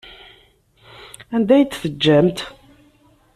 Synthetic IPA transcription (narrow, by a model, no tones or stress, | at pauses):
ænd̪æjt͡s̪ːθəd͡ʒːæmt̪